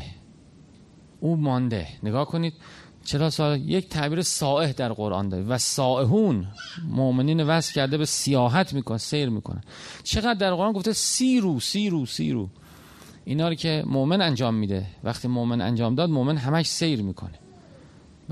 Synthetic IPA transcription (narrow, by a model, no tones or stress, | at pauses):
ʔuːmɒnd̪ḛneɡɒːhkʰo̞niːd̪̚ | t͡ʃʰe̞ɾɒːsɒːehject̪ʰæʔbiːɾesɒːʔe̞hd̪æɾɢo̞ɾʔɒ̰ːnd̪ɒːɾḭːvæsɒːʔeɦuːnmoʔmeniːnevæscʰæɾd̪ebesijɒːɦæt̪ʰmiːkʰonesejɾmiːkʰo̰næ̰t͡ʃʰe̞ɣæd̪ːæɾʁoɾʔɑnɡoft̪esiːɾuːsiːɾuːsḭːɾṵː | ʔiːnɒːɾiːcʰe̞moʔmenænd͡ʒɒːmːiːd̪ḛvæxt̪ʰiːmoʔmenæ̰nd͡ʒɒːmd̪ɒːd̪moʔme̞nɦæmæʃse̞jɾmiːkʰo̰ne